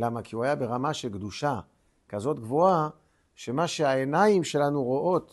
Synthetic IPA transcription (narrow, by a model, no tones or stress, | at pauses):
lamakiuajabe̞ʁamaʃe̞lkd̪uʃa | kazo̞tɡvoa | ʃe̞maʃe̞aenaimʃe̞lanuʁoʔo̞t